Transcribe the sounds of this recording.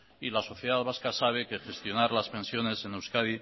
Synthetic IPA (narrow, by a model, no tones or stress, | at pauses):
ilaso̞θjeðaðβaskasaβ̞e̞ke̞xe̞st̪jo̞naɾlaspe̞nsjo̞ne̞se̞newskaði